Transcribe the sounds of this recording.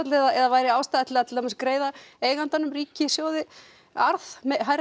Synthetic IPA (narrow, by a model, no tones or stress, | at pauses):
t̪lɪɛðaɛðavaːjɾɪaːwst̪aðɛt̪lɪaɛt̪amaskɾeːjðaeːjɣant̪anʏmriːcɪsjoːwðɪ | aɾðmɛɦaɾ